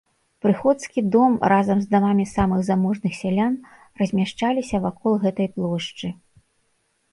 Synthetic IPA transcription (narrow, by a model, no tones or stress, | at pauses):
pɾɨxɔt̪skʲid̪ɔmrazɐmzd̪amamʲisamɨɣzamɔʐnɨxsʲalʲan | rɐzʲmʲaʂt͡ʂalʲisʲɐvakʰɔlˠɣɛt̪ɐjplˠɔʂt͡ʂɨ